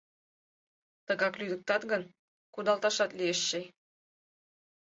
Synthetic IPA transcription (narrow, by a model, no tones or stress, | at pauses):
t̪ɤ̆ɣɑklʲyd̪ə̆k̚t̪ɑt̪ɡɤ̆n | kud̪ɑlˠt̪ɑʃɑt̪lʲijĕʃːĕ